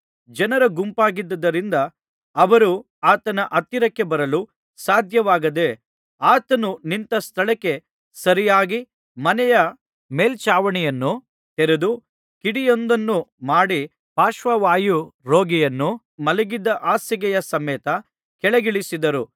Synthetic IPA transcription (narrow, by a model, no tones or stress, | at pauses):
d͡ʒɐnɐɾɐɡumpaːɡid̪ːɐd̪ɐɾind̪ɐː | ʋɐɾu | aːt̪ɐnɐʔɐt̪ːiɾɐkːe̞bɐɾɐlu | saːd̪ʱjɐʋaːɡɐd̪e̞ | aːt̪ɐnunint̪ɐst̪ʰɐɭɐkːe̞ | sɐɾijaːɡi | mɐnɛjɐ | meːlt͡ʃaːʋɐɳɛjɐnːu | t̪eɾed̪u | kiɽijond̪ɐnːumaːɽi | paːʃʋɐʋaːjuɾo̞ːɡɛjɐnːu | mɐlɛɡid̪ːɐʔaːsɐɡɛjɐsɐmɛːt̪ɐ | kɛɭeɡiɭisid̪ɐɾu